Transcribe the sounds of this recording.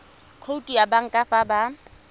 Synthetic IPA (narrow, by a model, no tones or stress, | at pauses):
kʰoutʼiabaŋ̩kʼafaba